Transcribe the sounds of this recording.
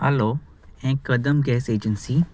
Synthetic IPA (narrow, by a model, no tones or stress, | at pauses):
ɐ̰loː | ɛ̃ːkɐd̪əmɡɛːseːd͡ʒənsiː